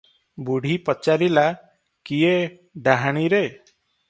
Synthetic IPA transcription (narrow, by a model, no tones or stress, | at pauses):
buɽ̤ipɔt͡ʃaɾila | kie | ɖaɦaɽ̃iɾe